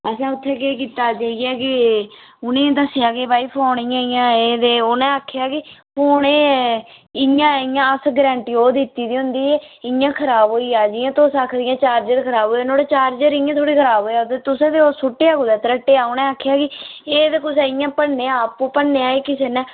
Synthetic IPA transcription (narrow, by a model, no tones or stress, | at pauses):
əsãːʊt̪ʰːeːkeːkiːt̪aːd͡ʒaːiɛːkɪ | ʊnẽːd̪əsɪjãːkeːbaːiːpʰaːɳiːãːɪjãːeːd̪eːonɛ̃ːaːkʰːejaːkɪpoːɳeː | ɪjãːɪjãːəsɡɾɛ̃ːɳʈiːoːd̪ɪt̪ːiːd̪iːʊ̃nd̪iːeːɪãːkʰəɾaːbɦoːiːaːd͡ʒɪːãːt̪oːsaːkʰd̪ɪjãːt͡ʃaːɾd͡ʒəɾkʰəɾaːboːinoːɽeːt͡ʃaːɾd͡ʒəɾɪãːt̪ʰoːɽiːkʰəɾaːbɦoːjaːt̪eːt̪ʊsẽːd̪eoːsʊʈːeːaːkoːd̪ɛːt̪əɾəʈːeːaːʊnɛ̃ːaːkʰːejaːkɪeːd̪ekʊs̬ɛːɪjãːpəɽnːeːãːpõːpəːeːaːeːkɪseːnɛ̃ː